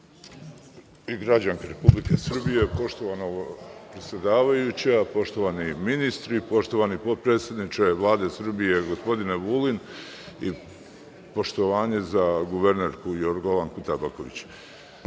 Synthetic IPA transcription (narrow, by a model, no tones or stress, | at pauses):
iɡɾad͡ʑaŋkaɾe̞publikesr̩bije̞po̞ʃt̪oʋanopɾet̪sʲjed̪aːʋajut͡ɕapo̞ʃt̪o̞ʋaniminist̪ɾipo̞ʃt̪o̞ʋanipo̞d̪̚pɾe̞ːt̪sʲjed̪nit͡ʃeʋlˠaːd̪e̞sr̩bije̞ɡo̞spo̞d̪ineʋuːlin | i | po̞ʃt̪oʋaːɲe̞zaɡuʋeɾne̞ɾkujoɾɡoʋankut̪abakoʋḭt͡ɕ